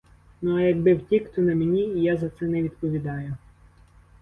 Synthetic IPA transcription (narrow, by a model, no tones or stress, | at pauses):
nuɐjɐɡ̚bɪwtʲikt̪ɔnɐmenʲiːjazɐt̪sɛnɛʋʲid̪pɔʋʲid̪ɑjʊ